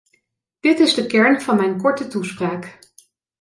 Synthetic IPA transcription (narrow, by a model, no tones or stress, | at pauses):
d̥ɪtɪzdəkɛɹnv̥ɑnmɛjnkɔɹtətuspraːk